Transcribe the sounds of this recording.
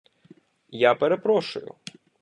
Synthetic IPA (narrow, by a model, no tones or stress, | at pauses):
japeɾepɾɔʃʊ̰jʊ̰